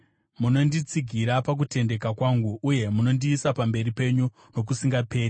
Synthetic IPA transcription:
muno̞ndit͡siɡʱiɾapak̬ute̞nde̞kakwaŋɡuʔːje̞muno̞ndiːsapambe̞ɾipe̞ɲu | no̞k̬usiŋɡape̞ːri

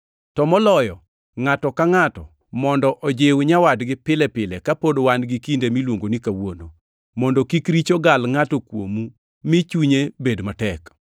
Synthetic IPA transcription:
tɔmɔlɔjɔ | ŋatɔkaŋatɔ̰ | mɔndɔʔɔd͡ʒewɲawadɡɪpɪlɛpɪlɛkapodowanɡikindemilwoŋɡonikawono | mɔndɔkikɾit͡ʃoɡalŋatɔkwo̰mu | mit͡ʃuɲebedmatɛk

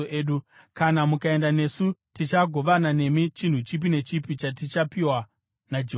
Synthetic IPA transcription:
eːɗu | kanamukae̞ndane̞sutit͡ʃaɡʱo̞ʋanane̞mit͡ʃin̤ut͡ʃip̬ine̞t͡ʃipit͡ʃatit͡ʃapiwa | nad͡ʒe

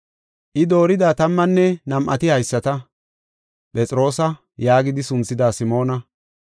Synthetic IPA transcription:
ʔɪd̪o̞ːɾɪd̪aːt̪ɐmːɐnːɛnɐmʔɐ̰t̪ɪhɐjsːɐt̪ɐ | pʼɛt͡sʼɪɾo̞ːsɐ | jaːɡɪd̪ɪsʊnt͡sːɪd̪aːsɪmo̞ːnɐ

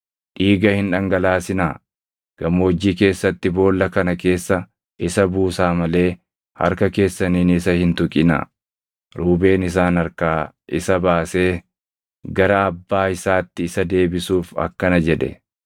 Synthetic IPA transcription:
ʔiːɡɐhɪnᶑɐŋɡɐlaːsɪnaː | ɡ̥ɐmoːd͡ʒːiːke̞ːsːɐt̪ːɪbo̞ːlːɐkɐnɐke̞ːsːɐ | ʔɪsɐbuːsaːmɐle̞ː | hɐ̰ɾkɐke̞ːsːɐniːnɪsɐhɪnt̪ʊkʼɪna̰ | ɾuːbe̞ːnɪs̬aːnɐɾkaː | ʔɪsɐbaːse̞ː | ɡɐɾɐɐbːaːɪsaːt̪ːɪːsɐd̪e̞ːbɪsuːfɐ̰kːɐnɐd͡ʒɛᶑɛ̰

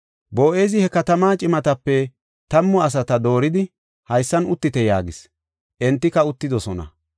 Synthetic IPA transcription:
bo̞ːʔeːzɪhɛkɐt̪ɐmaːt͡ʃʼɪmɐt̪ɐpːɛ | t̪ɐmːɔɐs̬ɐt̪ɐd̪o̞ːɾɪd̪ɪ | hɐjsːɐnʊt̪ːɪt̪ɛja̰ːɡɪs | ʔɛnt̪ːɪkɐʊt̪ːɪd̪ɔsɔnɐ̰

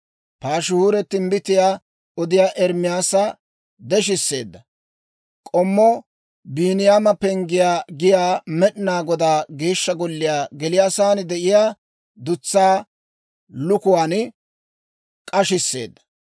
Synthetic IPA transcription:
paːʃʊhuːɾɛt̪ːɪmbɪt̪ːɪjaː | ɔd̪ɪjaːʔɛɾmɪjaːsɐ | d̪ɛʃ̬ɪsːe̞ːd̪ːɐ | kʼɔmːɔ | biːnɪjaːmɐpɛŋɡɪjaːɡɪjaːmɛɗnaːɡɔd̪aːɡeːʃːɐɡɔlːɪjaːɡɛlɪjaːsaːnɪd̪ɛʔɪjaː | d̪ʊt͡sːaː | lʊkʊwaːnɪ | kʼɐʃɪsːḛːd̪ːɐ̥

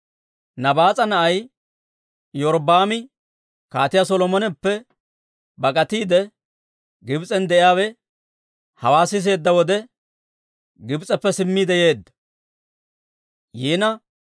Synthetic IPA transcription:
nɐbaːt͡sʼɐnɐʔɐj | jɔɾbaːmɪ | kaːt̪ɪjasɔlɔmɔnɛpːɛ | bɐkʼɐt̪iːd̪ɛ | ɡɪbt͡sʼɛnd̪ɛʔɪjaːwɛ | hɐwaːsɪs̬e̞ːd̪ːɐwɔd̪ɛ | ɡɪbt͡sʼɛpːɛsɪmːiːd̪ɛje̞ːd̪ːɐ̥ | jiːnɐ

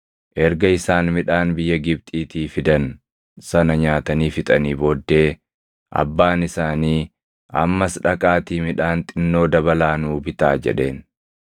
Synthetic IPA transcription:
ʔɛɾɡɐɪsaːnmɪᶑaːnbɪjːɐɡɪb̚t̪ʼiːt̪iːfɪd̪ɐn | sɐnɐɲaːt̪ɐniːfɪt̪ʼɐniːboːd̪ːe̞ː | ʔɐ̰bːaːnɪsaːniː | ʔɐ̰mːɐsᶑɐkʼaːt̪iːmɪᶑaːnt̪ʼɪnːo̞ːd̪ɐbɐlaːnuːbɪt̪a̰ːd͡ʒɛ̰ᶑe̞ːn

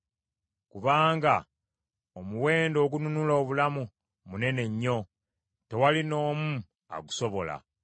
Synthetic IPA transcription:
kuβaːŋɡa | omuwe̞ːndo̞ːɡununulaoβulamu | mune̞ne̞ɲːo̞ | te̞walino̞ːmu | a̰ɡuso̞βo̞la̰

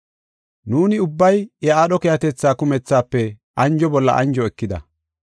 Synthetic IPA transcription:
nuːnɪʊbːɐjɛaːɗɔkɛjɐt̪ɛt͡sːaːkʊmɛt͡sːaːpːɛ | ʔɐnd͡ʒɔbɔlːɐ̰ʔɐ̰nd͡ʒɔɛkːɪd̪ɐ̰

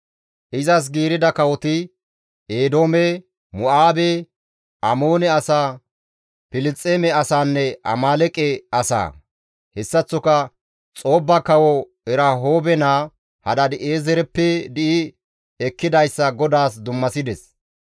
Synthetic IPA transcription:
ʔɪzɐs̬ɡiːɾɪd̪ɐkɐwɔt̪ɪ | eːd̪o̞ːmɛ | mʊʔaːbe | ʔɐmoːnɛɐsaː | pɪlɪt͡sʼːeːmɛɐsaːnːɛʔɐ̰maːlɛkʼɛɐsa̰ː | hɛsːɐt͡sːɔkɐ | t͡sʼo̞ːbːɐkɐwɔ | ɛɾɐɦo̞ːbɛnaː | hɐd̪ɐd̪ɪʔeːzɛɾɛpːɛd̪ɪʔɪ | ɛkːɪd̪ɐjsːɐɡɔd̪aːsd̪ʊmːɐsɪd̪ɛs

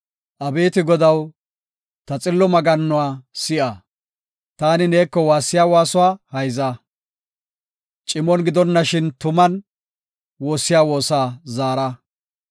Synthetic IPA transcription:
ʔɐbe̞ːt̪ɪɡɔd̪ɐw | t̪ɐt͡sʼɪlːɔmɐɡɐnːʊwaːsɪʔa | t̪aːnɪne̞ːkːɔwaːsːɪjaːwaːsʊwaːhɐjza | t͡ʃʼɪmɔnɡɪd̪ɔnːɐʃɪnt̪ʊmɐn | woːsːɪjaːwo̞ːsaːzaːɾɐ

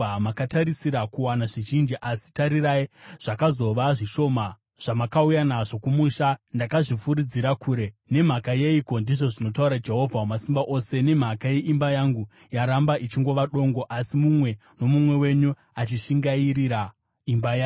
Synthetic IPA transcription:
amakataɾisiɾakuwanaʐiʒind͡ʒiʔasi̥taɾiraiʐ̥akazo̞ʋaʐiʃo̞ːma | ʐ̥amakaujanaʐo̞kumuʃandakaʐifuɾid͡ziɾakʰuːɾe̞ne̞m̤akajeiko̞ndiʐo̞ʐino̞tauɾad͡ʒe̞ɦo̞vʱawumasimbaʔo̞se̞ne̞m̤akaje̞ʔimbajaŋɡu | jaɾambaʔit͡ʃiŋɡo̞ʋaɗo̞ŋɡo̞ʔasimumwe̞ | no̞mumwe̞we̞ɲu | at͡ʃiʃiŋɡaiɾiɾa | imbaja

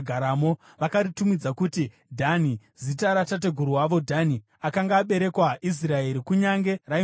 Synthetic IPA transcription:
ɡʱaɾamo̞ | ʋakaɾitumid͡zakuti | dʱani | zitaɾatat̬e̞ɡʱuɾuwaʋo̞dʱani | akaŋɡaːɓe̞ɾe̞kwaʔis̬rae̞ɾikuɲaŋɡe̞ra

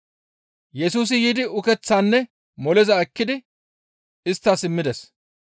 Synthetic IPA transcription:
jɛsuːs̬ɪjiːd̪ɪʊkɛt͡sːaːnːɛ | mɔlɛzɐɛkːɪd̪ɪ | ɪst̪ːasɪmːɪd̪ɛs

